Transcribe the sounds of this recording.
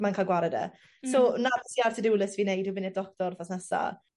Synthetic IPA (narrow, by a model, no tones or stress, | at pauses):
mankʰalˠɡwaɾɛdɛ̰ | sonavɛsiartʰədɪwlˠəsviːnejdwɨbɪnɛdɔk̚tɔrθɔsnɛsa̰